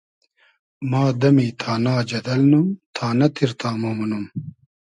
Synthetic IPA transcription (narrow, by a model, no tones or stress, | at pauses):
maːd̪ɐmiːt̪ʰaːnaːd͡ʑɐd̪ɐlnumt̪ʰaːnɐt̪ʰiɾt̪ʰaːmoːmunum